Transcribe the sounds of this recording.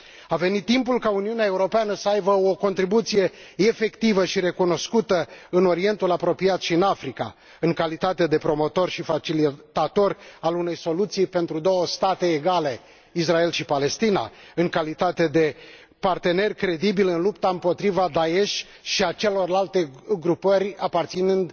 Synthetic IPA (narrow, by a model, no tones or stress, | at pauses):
ave̞nit̪ːimpulkauniuneae̞uɾo̞peanəsəajbəoko̞nt̪ɾibut̪sije̞efe̞kt̪ivəʃiɾe̞kuno̞skut̪əɨno̞ɾie̞nt̪ulapɾo̞pijat̪ʃiɨnafɾika̰ | ɨŋkalit̪at̪e̞d̪e̞pɾo̞mo̞t̪o̞rʃifat͡ʃilit̪at̪o̞rʲalune̞jso̞lut̪sijpe̞nt̪ɾud̪o̞wəst̪at̪e̞ːɡale̞ | is̬rae̞lʃipale̞st̪ina̰ɨŋkalit̪at̪e̞d̪e̞ | part̪e̞ne̞rʲkɾe̞d̪ibilɨnlupt̪aɨmpo̞t̪ɾivad̪ae̞ʃʲ | ʃiat͡ʃe̞lo̞rlalt̪e̞ɡɾupərʲapart̪sinɨnd̪